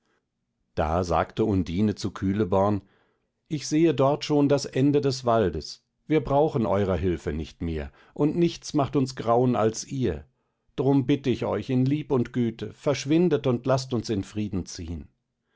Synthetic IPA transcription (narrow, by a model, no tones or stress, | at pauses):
d̥a̰ːza̰ːktəʊndiːnət͡sukʰyːləbɔɐn | ʔɪçz̥eːədɔɐtʃoːndasʔɛndədɛsv̥aldəs | viːɐbʁaʊxn̩ʔɔ̰ʏʁɐɦɪlfənɪçtmḛːɐ | ʔʊntnɪçt͡smaχtʊnsɡ̥ʁaʊəna̰lsʔiːɐ | d̥aʁʊmbɪtəɪçɔ̰ʏçɪnliːpʊntɡ̥yːtʰəfɛɐʃv̥ɪndətʊntlastʊnsɪnfʁ̥iːdn̩t͡siːən